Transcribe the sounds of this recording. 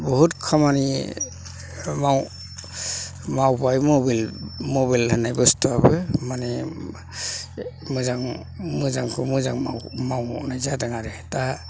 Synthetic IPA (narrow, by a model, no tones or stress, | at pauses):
bɔɦutkʰamani | maw | mawbajmɔbilmɔbalhɯnajbɯstʰɔabɯmanɛ | mɯzaŋ | mɯzaŋkʰɔmɯzaŋma̰wmawnajzadaŋaɾɛta